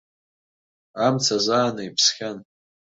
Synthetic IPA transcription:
amt͡sʰazaːnaipʰsχʲan

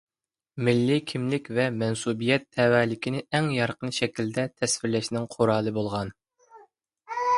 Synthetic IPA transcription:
mɪlːɪkʲʰimlɪkʲvɛmɛnsubijɛt̪ʰːɛwɛːlɪkʲinɪɛŋjɑɾqənʃɛkʲild̪ɛt̪ʰɛsfɪɾlɛʃnɪŋqʰoɾɑːlˠɨbolˠʁɑn

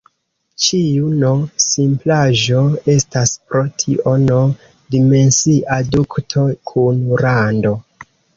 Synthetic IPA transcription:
t͡ʃiuno̞simplaʒo̞e̞staspɾo̞tʰiʔono̞ | dime̞nsiʔaduktʰo̞kʰunɾando̞

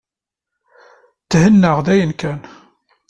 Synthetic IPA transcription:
t̪ːhənːəʁðæjənkæn

